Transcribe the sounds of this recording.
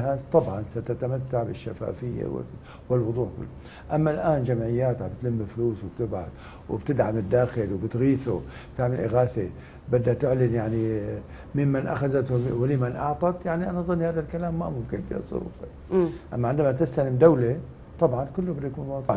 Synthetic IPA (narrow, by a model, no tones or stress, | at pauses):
hat̪ˤɑbʕɑnsat̪at̪amat̪ːaʕbɪʃːafa̰ːfɪjːa̰wɪ̰ | wɪlwʊd̪ˤuːʕkʊ̰lːʊ | ʔamːalʔaːnd͡ʒamʕɪjːaːt̪ʕabt̪lɪmːifluːswb̚t̪ɪbʕa̰θ | w̰bt̪ɪd̪ʕamɪd̪ːaːxɪlwbɪt̪ɣiːθub̥t̪aʕmɪlʔɪɣaːθe | bɪd̪ːat̪ɪʕlɪnjaʕni | mɪmmanʔa̰xazat̪wɪlimanʔɑ̰ʕt̪ˤɑt̪jaʕniʔanaʔzˤɨnːihaːðalkalaːmːa̰mʊmkɪnfḭːhɑ̰sˤːʊ̰ɾṵːqi | ʔamːaʕɪnd̪amat̪ɪst̪alɪmd̪awle | t̪ˤɑbʕɑnkʊlːʊbɪd̪ːajakuːnwɑːd̪ˤʕ